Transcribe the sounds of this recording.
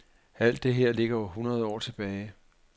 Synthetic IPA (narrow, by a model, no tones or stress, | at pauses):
æl̰d̥e̝ɦe̝ɐ̰le̝ɡ̥ɐoɦunʁɐð̞̩ˠɒ̰ːt͡sʰe̝b̥ɛːɪ